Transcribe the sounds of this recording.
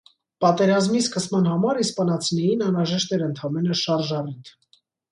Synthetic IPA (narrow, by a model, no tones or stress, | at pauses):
pɑt̪ɛɾɑzmiskəsmɑnhɑmɑɾispɑnɑt͡sʰinɛjinɑnɾɑʒɛʃt̪ɛɾənt̪ʰɑmɛnəʃɑɾʒɑrit̪ʰ